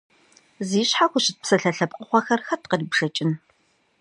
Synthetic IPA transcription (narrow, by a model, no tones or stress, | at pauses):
ziːɕħaxʷʊɕɪt̚psɐɬɐɬɐp̚qʼəχʷɔxɐrxɐtqəriːbʂɐt͡ʃʼɪn